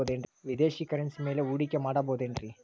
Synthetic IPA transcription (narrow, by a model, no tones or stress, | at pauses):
oːd̪eɳɖɾʋid̪eːʃikɐɾensime̞ːleuːɽikːemaːɽɐboːd̪eɳɖɾi